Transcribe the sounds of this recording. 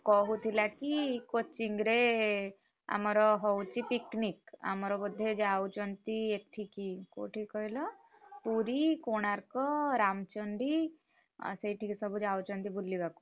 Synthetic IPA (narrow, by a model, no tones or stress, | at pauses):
kɔɦut̪ʰilakikot͡ʃiŋɡɾe | a̰mɔɾɔɦɔwt͡ʃipiknika̰mɔɾɔbɔd̪ʱːed͡ʒaut͡ʃɔnt̪iek̚ʈʰikiko̰ʈʰikːɔɦilɔ | puɾikoñaɾkɔɾamt͡ʃɔɳɖḭ | seiʈʰikisɔbʱud͡ʒawt͡ʃɔnt̪ibulliɡaku̥